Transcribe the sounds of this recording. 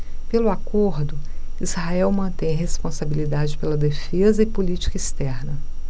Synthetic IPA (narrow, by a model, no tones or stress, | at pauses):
pelʊakoɾd̪ʊ | izhaɛwmɐ̃t̪ẽj̃ɦespõsabilid̪ad͡ʒɪpelɐd̪efezɐɪpolit͡ʃi̥kɐist̪ɛɾnɐ